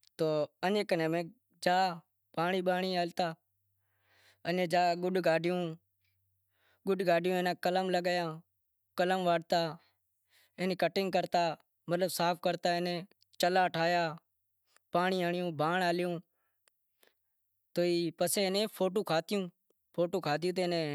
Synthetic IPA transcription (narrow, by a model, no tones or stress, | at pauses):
t̪oːənẽːkənẽːmẽː | d͡ʒaː | paːɳiːɓaːɳiːaːlt̪aː | ənẽːd͡ʒaːɡʊɗɡaːɖʱɪjũː | ɡʊɖɡaːɖʱɪjũːeːnãːkələmləɡjãː | kələmʋaːɽt̪aː | enẽːkəʈɪŋɡkəɾt̪aː | mət̪ləbsaːpʰkəɾt̪aːeneː | t͡ʃəlaːʈʰaːjaː | paːɳiːaːɳɪjõːbʱaːɳaːlɪjũː | t̪oːiːpəseːnẽːpʰoːʈ̬oːkʰaːt̪ɪjũː | pʰoːʈoːkʰaːt̪̬ɪjũːt̪̬eːneː